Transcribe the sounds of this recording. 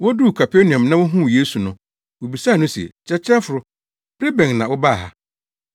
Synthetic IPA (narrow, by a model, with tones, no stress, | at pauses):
wɔ˦du˦˨kʰa˨pʰe˦nɪ̃˨ɔ̃˨mnã˦wʊ˦ɦũ˦˨je˦su˨nʊ̃˦ | wo˨bi˨saː˦˨nʊ̃˦si˨ḛ˨t͡ɕʰɛ˦t͡ɕʰɪ˦ɾɛ˦fʊ˨ɾʊ˦ | bɾe˦bɛ̃˨ŋnã˨wʊ˦ba˦˨ɦa˦